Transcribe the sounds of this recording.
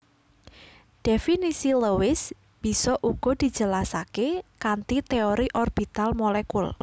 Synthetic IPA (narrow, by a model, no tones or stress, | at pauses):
d̪̥efinisiləwɪs | b̥i̤sɔʔuɡ̥ɔ̤d̪̥i̤̥d͡ʒ̥ə̤lasakekant̪it̪eoɾiʔɔrb̥i̤t̪almolɛkul